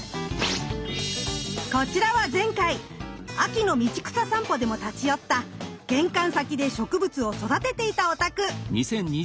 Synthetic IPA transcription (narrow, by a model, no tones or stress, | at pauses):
ko̞t͡ɕiɾaβazẽ̞ŋkai | akʲino̞mʲit͡ɕi̥kɯ̟̥sasãmpo̞d̪e̞mo̞t̪at͡ɕijo̞t̪ːaɡ̥ẽ̞ŋkãɰ̃sakʲid̪e̞ɕo̞kɯ̟bɯ̟t͡sɨo̞so̞d̪at̪e̞t̪e̞it̪ao̞t̪akɯ̟ɲisẽ̞ɲɲi